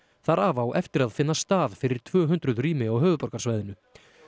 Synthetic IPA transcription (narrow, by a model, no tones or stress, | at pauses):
θaɾaːvawʔɛft̪ɪɾaðfɪnːast̪aːð̥fɪɾɪɾ̥t̪ʰv̥œːɦʏnt̪ɾʏðriːmɪawɦœːvʏpɔɾkaɾsvaːjðɪnʏ